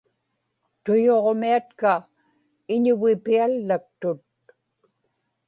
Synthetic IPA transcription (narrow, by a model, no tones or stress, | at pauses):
t̪ʊjoʁmiat̪ka | ɪɲʊɣɪpialːak̚t̪ʊt̪̚